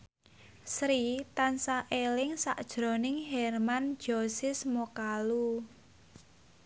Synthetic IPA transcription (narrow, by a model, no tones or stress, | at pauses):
sɾit̪ansaʔelɪŋsa̰ʔd̥ʒ̥ɾo̤nɪŋɦɛrmand̥d͡ʒ̥osɪsmokalu